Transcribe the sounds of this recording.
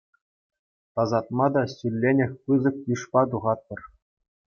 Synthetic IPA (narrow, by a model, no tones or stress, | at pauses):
t̪ɑzɑt̪̚mɑd̪ɑsʲylʲːenʲɘ̆xʲpɯzɤ̆k̚juʂpɑt̪̬uʁɑt̪̚ːɤ̆r